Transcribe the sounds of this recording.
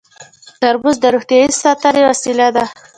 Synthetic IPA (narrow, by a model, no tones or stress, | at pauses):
k̪aɾbuzd̪əɾoxt̪ijɑisɑt̪aɾewasilad̪a